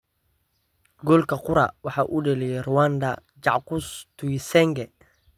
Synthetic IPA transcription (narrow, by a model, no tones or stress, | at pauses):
ɡɔːlkʰɐqʊɾɐ̰wɑħɑːʔuːɖɛlɛjɛrʊwand̪ɐ̰ | t͡ʃɑ̰ʕqʊst̪ʰuisɛŋɡɛ